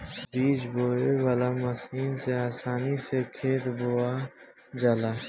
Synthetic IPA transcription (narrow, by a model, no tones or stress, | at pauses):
biːd͡ʒboːewaːlamɐsiːnseaːsaːnisekʰeːt̪boːaː | d͡ʒalaː